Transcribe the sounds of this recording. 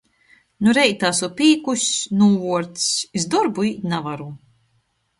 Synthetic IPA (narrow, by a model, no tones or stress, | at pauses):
nuɾɛjt̪aːsupiːkusʲnuːvuɔɾt̪sizd̪ɔɾbuiːt̪ʲnavaɾu